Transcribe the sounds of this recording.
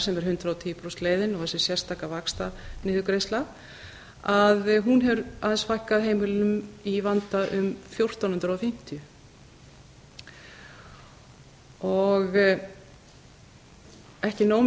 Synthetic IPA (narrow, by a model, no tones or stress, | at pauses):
sɛmɛɾ̥hʏnt̪ɾaːwt̪ʰiːpɾɔst̪leːjðɪnɔɣθɛsɛ̥sjɛ̥st̪ʰaːkavakst̪anɪːðʏkɾejst̪la | aðɦunɦɛvʏɾaðɛnsfajhkaðɦeːjmɪlʏmivant̪aʔʏmfjowr̥t̪anhʏnt̪ɾafɪm̥t̪ɪjʏ | ɔɣ | ɛhcɪnoːw